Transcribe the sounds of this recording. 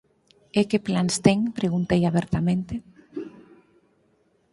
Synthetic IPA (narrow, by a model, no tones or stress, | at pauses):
ekeplanst̪ɛŋpɾeɣunt̪ejaβɛɾt̪amẽnt̪ɪ